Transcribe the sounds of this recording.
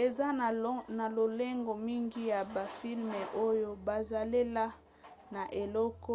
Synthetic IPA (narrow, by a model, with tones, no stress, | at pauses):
e˨za˦˨na˨lo˨le˦ŋɡo˨mi˦ŋɡi˦ja˨ba˨fi˦lme˨ʔo˦jo˦ba˨za˨le˦la˦ | na˨ʔe˨lɔ˦kɔ˦